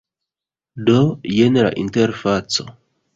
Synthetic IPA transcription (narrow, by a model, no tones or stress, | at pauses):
dojenla̰ʔinteɾfat͡so̰